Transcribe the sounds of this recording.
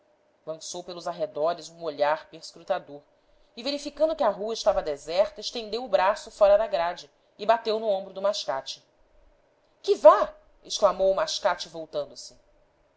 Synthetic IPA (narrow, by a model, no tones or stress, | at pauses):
lɐ̃sowpelʊzaɦed̪ɔɾɪzũoʎaɾpeɾskɾut̪ad̪oɾ | ɪveɾifikɐ̃nd̪ʊkʲɪɐɦuɐɪʃt̪avɐd̪ezɛχt̪ɐeʃt̪ẽnd̪ewʊbɾasʊfɔɾɐd̪aɡɾad͡ʒɪ | ɪbat̪ewnʊõbɾʊd̪ʊmaʃkat͡ʃɪ̥ | kɪva | eʃklamowʊmaʃkat͡ʃɪvowt̪ɐ̃nd̪ʊsɪ